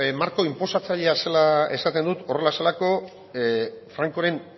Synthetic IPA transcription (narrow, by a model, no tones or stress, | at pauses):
maɾko̞impo̞sat͡saʎeaselae̞̰sat̪e̞nd̪ut̪o̞re̞laselako̞ | fɾaŋko̞ɾe̞n